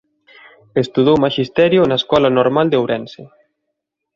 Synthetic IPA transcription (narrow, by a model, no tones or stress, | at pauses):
est̪uðowmaʃist̪ɛɾjʊnaeskɔlanoɾmald̪eowɾɛnse